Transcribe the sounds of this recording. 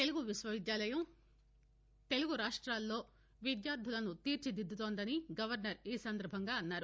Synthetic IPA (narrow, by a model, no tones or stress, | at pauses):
t̪eluɡuʋiʃʋɐʋid̪jaːlɐjɐm | t̪e̞luɡuɾaːʂʈɾaːlːo̞ː | ʋid̪jaːɾd̪ʱulɐnut̪iːɾt͡ʃid̪id̪ʱːut̪oːnd̪ɐniɡɐʋɐɾnɐɾiːsɐnd̪ɐɾbʱɐŋɡaːɐnːaːɾu